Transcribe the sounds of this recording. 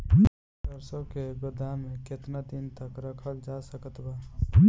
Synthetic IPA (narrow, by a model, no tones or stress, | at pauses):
dəɾsõkeɡʊd̪ʱamẽket̪nad̪int̪əkɾəkʰəld͡ʒasəkət̪baː